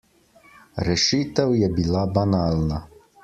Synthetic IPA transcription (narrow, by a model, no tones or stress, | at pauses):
ɾɛʃit̪ɛwjɛbilˠabanalʲna